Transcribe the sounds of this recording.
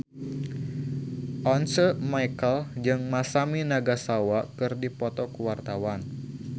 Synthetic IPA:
ʔɔnsəmajkəld͡ʒɨŋmasaminaɡasawakɨrdipɔt̪ɔkəwart̪awan

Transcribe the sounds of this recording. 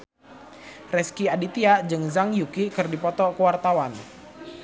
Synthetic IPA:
rɛskiadit̪iad͡ʒɨŋzaŋjukikɨrdipɔt̪ɔkəwart̪awan

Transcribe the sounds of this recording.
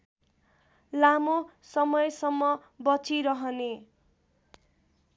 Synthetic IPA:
lamosʌmʌjsʌmːʌ | bʌt͡sʰiɾʌɦʌne

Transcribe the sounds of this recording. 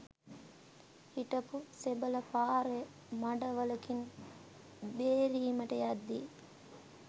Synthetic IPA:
hiʈɐpusebɐlɐpaːɾe | mɐɖɐʋɐlɐkin | beːɾiːmɐʈɐjad̪ːi

